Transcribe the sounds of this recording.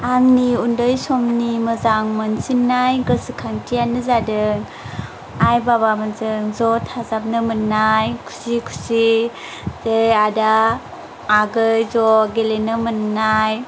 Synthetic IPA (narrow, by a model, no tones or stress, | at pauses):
aŋniundɯjsɔmniməzaŋmansinːajɡəsikʰaŋtijanɯzadɯŋ | ajbaβamanzɯŋzɔtʰazap̚nɯmɯnːajkʰu̥sikʰu̥si | z̥ejadaː | ɡɯjzɔɡelenɯmɯnːaj